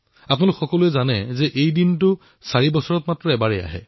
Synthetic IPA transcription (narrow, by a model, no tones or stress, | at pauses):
apnalʊkxɔkɔluɛzanɛzɛʔejdintʊ | saɹibɔsɔɹɔtmatɹɔɛbaɹɛja̰ɦɛ̰